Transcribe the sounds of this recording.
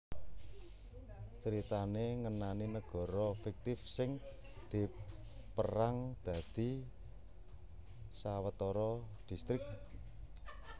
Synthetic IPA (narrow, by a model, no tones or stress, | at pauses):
t͡ʃəɾit̪aneŋənaninəɡ̥ɔ̤ɾɔfik̚t̪ɪfsɪŋ | d̪̥i̤ | pəɾaŋd̪̥ä̤d̪̥i̤ | sawət̪ɔɾɔ | d̪̥i̤st̪ɾɪk̚